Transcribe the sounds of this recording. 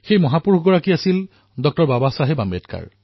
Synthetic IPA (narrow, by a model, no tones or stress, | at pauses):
xejmɔɦapuɹxɡɔɹakiasil | dɔk̚tɔɹbabasaɦebametka̰ɹ